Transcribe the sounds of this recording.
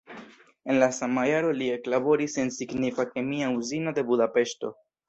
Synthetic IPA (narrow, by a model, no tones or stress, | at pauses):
e̞nlasamajaɾo̞lie̞klabo̞ɾise̞nsiɡnifake̞miauzinode̞budape̞ʃto̞̰